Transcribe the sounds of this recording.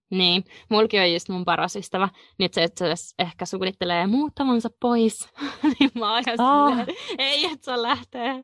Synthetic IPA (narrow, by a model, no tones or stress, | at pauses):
niːnmulkiojust̪mumpɑrɑsyst̪æʋæ | nyt̪set̪sesehkæsuknit̪ːeleːmuːt̪ːɑmɑnsɑppoisniːmmɑːjɑs | eiet̪sellæht̪eː